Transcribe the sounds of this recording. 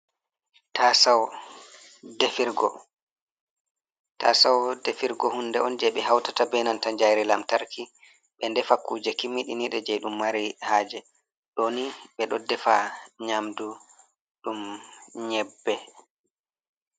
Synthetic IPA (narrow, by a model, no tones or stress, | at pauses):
tasaw | defiɾɡɔ | tasawdefiɾɡɔhundɛɔnd͡ʒɛɓɛɦawtatabɛnantaɲd͡ʒajɾilamtaɾkʰi | ɓɛndɛfakːuːd͡ʒɛkimːiɗiniɗɛd͡ʒɛjɗumːaɾihaːd͡ʒɛ | ɗoniɓɛɗɔdɛfaɲamdu | ɗumɲɛbːɛ